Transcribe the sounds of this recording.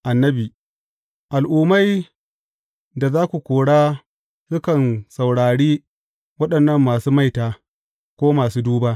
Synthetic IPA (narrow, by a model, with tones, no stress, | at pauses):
ʔa˨nːɐ˦biː˨ | ʔa˨lʔuː˨ma˦j | da˨zaː˦kʷu˨kʷoː˨ɽaː˦ | sʊ˦kɐ˨nsa˨wɽaː˨ɽiː˦ | wɐ˦ɗɐ˨nːɐ˦˨mːaː˨suː˦ma˦˨jtaː˨ | kʷoː˦maː˨suː˦duː˦baː˦